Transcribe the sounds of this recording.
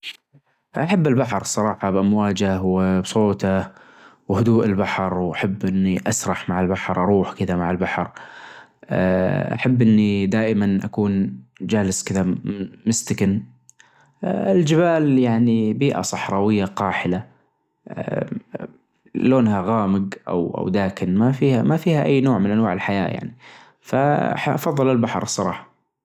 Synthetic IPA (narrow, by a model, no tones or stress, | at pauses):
ʔaħabːɪlbaħɾˤsˤɑɾˤɑːħɑbʔamwaːd͡ʒawbsˤoːt̪a | whʊd̪uːʔɪlbaħɾˤwʔaħabːʔɪnːiʔasɾˤɑħmaʕɪlbaħɾˤʔɑɾˤuːħkɪd̪amaʕɪlbaħɾ̰ˤ | ʔa̰ħabːʔɪnːid̪aːʔɪmanʔa̰kuːnd͡ʒaːlɪskɪðamɪst̪ɪkɪn | ʔɪld͡ʒɪbaːljaʕnibiːʔa̰sˤɑħɾˤɑːwɪjːaqɑːħɪla | loːnhaɣaːmɪɡʔa̰wʔa̰wd̪aːkɪnmafiːhamafiːhaʔajːnoːʕmɪnʔanwaːʕɪlħaja̰ːja̰ʕni | faʔɑfɑðˤːɨlɪlbaħɾˤsˤɑɾˤɑ̰ːħɑ̥